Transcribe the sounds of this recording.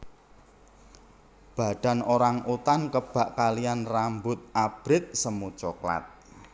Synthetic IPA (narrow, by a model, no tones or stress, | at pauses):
b̥a̤ɖ̪̥a̤noɾaŋut̪ankəb̥a̤ʔkalijanrambʊt̪̚ab̥ɾɪt̪̚səmu̥t͡ʃokla̰t̪̚